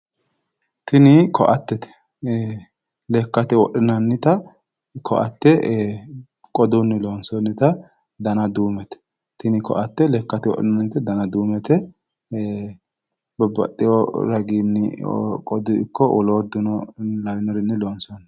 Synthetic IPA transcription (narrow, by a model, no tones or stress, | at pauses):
t̪ɪnɪkʰɔʔɐt̪ːɛt̪ɛ̥ | lɛkːɐt̪ɪwɔɗɪnɐnːɪt̪ɐ | kʰɔ̰ʔɐ̰t̪ːɛ | kʼɔd̪ʊnːɪloːnsɔnːɪt̪ɐ | d̪ɐnɐd̪uːmɛt̪ɛ̥ | t̪ɪnɪkɔ̰ʔɐt̪ːɛlɛːkːɐt̪ɪwɔ̰ʔɪnɐnːɪt̪ɛd̪ɐnɐd̪uːmɛt̪ɛ | bɔbɐ̰tːɪjɔɾɐɡinːɪ̰kʼɔd̪ʊɪkːɔʔʊloːd̪ʊnɔlɐjnɔɾɪnːɪloːnsɔnː